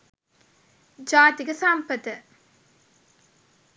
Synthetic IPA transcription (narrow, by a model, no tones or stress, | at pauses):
d͡ʒaːt̪iɡesampəd̪ə